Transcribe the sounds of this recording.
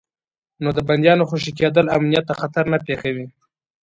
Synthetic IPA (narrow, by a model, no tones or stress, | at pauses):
nod̪əband̪jɑnoxuʃik̬ed̪əlamnijat̪ːaxat̪aɾnapexawi